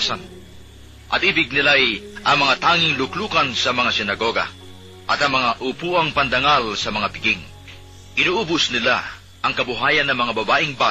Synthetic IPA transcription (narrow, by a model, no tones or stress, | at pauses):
sa̰n | ʔɐ̰t̪̚ʔibɪɡ̚nɪlajʔɐŋmɐŋat̪aːŋɪŋlʊkluːkɐnsɐmɐŋasɪnɐɡo̞ɡɐ̰ | ʔɐt̪ɐŋmɐŋaʔʊpuːʔɐŋpɐnd̪ɐŋalsɐmɐŋapɪɡiŋ | ʔɪnuːʔuːbʊsnɪla̰ | ʔɐŋkɐbʊɦaːjɐnːɐŋmɐŋabɐbaːʔɪŋba